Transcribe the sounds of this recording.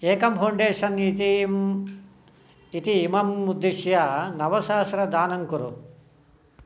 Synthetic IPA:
eːkɐmpʰɐwɳɖeːʂɐnit̪i | it̪iːmɐmːud̪ːiʃjɐnɐʋɐsaːsɾɐd̪aːnɐŋkuɾu

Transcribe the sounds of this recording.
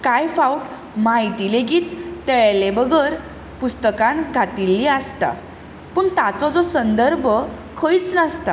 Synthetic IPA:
kajfauʈ | maɦit̪ileɡiːt̪ːɛɭlebəɡəɾ | pust̪əkãnkat̪ilːiast̪a̰ | pəɳt̪at͡sɔd͡zɔsənd̪əɾbʱə | kʰəit͡snast̪a

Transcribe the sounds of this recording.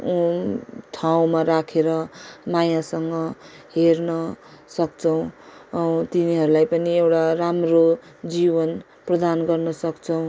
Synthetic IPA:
u | ʈʰaw̃maɾakʰeɾʌmajãsʌŋɡʌ | ɦernʌ | sʌkt͡sʰʌw̃ | t̪iniɦʌɾulajpʌniewʈaramro | d͡zibʌn | prʌd̪anɡʌrnʌsʌkt͡sʰʌw̃

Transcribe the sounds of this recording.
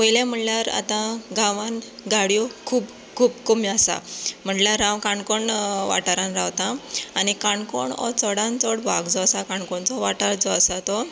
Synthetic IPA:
ojljãm̤əɳljaɾa̰t̪ãɡãʋanɡaɽijɔkʰuːb | kʰuːbkɔmiasa̰m̤əʈljaɾːãwkaɳkɔɳʋa̰ʈaɾãnɾawt̪ãːnikaɳkɔɳɔ̰t͡sɔɽãnt͡sɔɽbʱaɡd͡zɔasakãɳkɔɳt͡sɔʋaʈaɽd͡zɔasat̪ɔ

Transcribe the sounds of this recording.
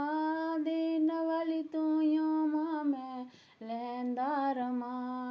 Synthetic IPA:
ad̪enɐʋalit̪ujõmamɛ̃ | lɛnd̪aːɾəma

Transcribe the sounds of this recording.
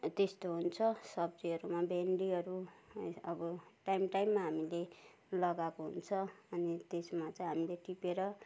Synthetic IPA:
t̪est̪oɦunt͡sʰʌsʌbd͡ziɦʌɾumabeɳɖiʌɾu | ʌbʌʈajmʈajmːaɦamile | lʌɡakoɦṵnt͡sʰʌʌnit̪esmat͡sʌ̃ĩɦamileʈipeɾʌ

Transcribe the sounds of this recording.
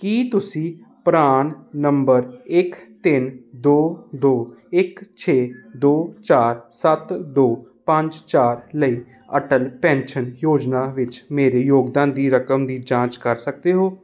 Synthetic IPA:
kiːt̪ʊsĩː | pɾaːnːəmbəɾɪkt̪ɪnd̪oːd̪oːɪkt͡ʃʰeːd̪oːt͡ʃaːɾsət̪d̪oːpə̃ɲd͡ʒt͡ʃaːɾləiː | ə̰ʈəlpɛ̃ːnʃənjoːd͡ʒnaːʋɪt͡ʃmeːɾeːjoːɡd̪ãːnd̪iːɾəkəmd̪iːd͡ʒãːt͡ʃkəɾsək̚d̪eːɦoː

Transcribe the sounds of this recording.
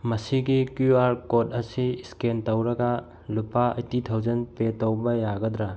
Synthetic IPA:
mɐsiɡikjuaɾkotɐsiiskentɐwɾɐɡa | lupaɐ̰jtitʰɐwd͡ʒɐnpetɐwbɐjaɡɐdɾa

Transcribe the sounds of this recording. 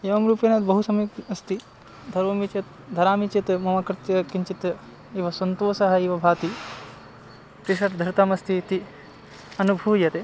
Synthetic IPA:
eːʋɐmɾuːpeːnɐd̪bɐɦusɐmikɐst̪i | d̪ʱɐɾʋɐmit͡ʃɐt̪ | d̪ʱɐɾaːmit͡ʃɐt̪mɐmɐkɾt̪jɐkiɲt͡ʃit̪ | iʋɐsɐnt̪oːsɐɦɐiʋɐbʱaːt̪i | pɾiʃɐʈd̪ʱɐɾt̪ɐmɐst̪ʰit̪i | ɐnubʱuːjɐt̪e

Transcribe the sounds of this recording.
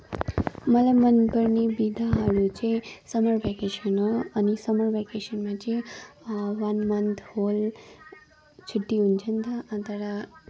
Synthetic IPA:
məlamənbəɾnibid̪ʱaɦəɾut͡ʃẽsəməɾbekeʃənoənisəməɾbekeʃənmãt͡ʃe | ʋanmənt̪ʰhol | t͡ʃʰuʈːiunt͡ʃʰənd̪aə̃t̪əɾa

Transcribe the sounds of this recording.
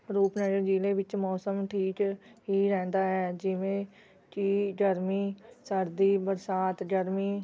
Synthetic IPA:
ɾuːpnɛːd͡ʒəɾd͡ʒiːleːʋɪt͡ʃmɔːsəmʈʰiːt͡ʃɦiːɾɛ̃ːnd̪aːɦɛːd͡ʒɪʋẽː | t͡ʃiːɖəɾmiːsəɾd̪iːbəɾsaːt̪ɡəɾmiː

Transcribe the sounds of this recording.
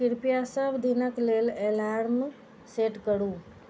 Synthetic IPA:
kiɾpijasəbʱd̪inəklelelaɾm | seʈkəɽu

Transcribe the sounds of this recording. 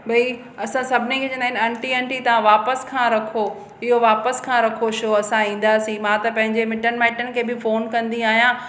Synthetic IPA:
bɐi | ɐsãsɐbʱɪnikʰeːd͡ʑɐ̃nd̪aːɪ̃nɐ̃ɳʈiɛ̃ɳʈit̪ɐʋãʋaːpəskʰãːɾɐkʰo | ɪɦoʋaːpəskʰãːɾɐkʰoʃoɐsãĩːn̆d̪aːsĩmãːt̪ɐpɐ̃ɦɪ̃ɲd͡ʑemɪʈənɪ̆mãɪʈənɪ̆kʰeːbɪfoːnkɐ̃nd̪iaːɦijã

